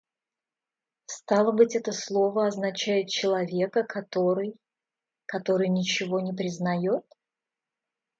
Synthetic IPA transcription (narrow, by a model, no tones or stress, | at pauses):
st̪ɑlˠəbɨtʲɛt̪əslˠo̞vəɐznɐt͡ɕæjɪt̪̚t͡ɕɪlˠɐvʲe̞kəkʰɐt̪oɾɨj | kɐt̪o̞ɾɨjnʲɪt͡ɕɪvo̞nʲɪpɾʲɪznɐjo̞t̪̚